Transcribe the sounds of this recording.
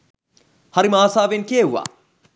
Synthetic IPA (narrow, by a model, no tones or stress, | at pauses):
hɐɾimaːsaːʋenkeɦua̰ː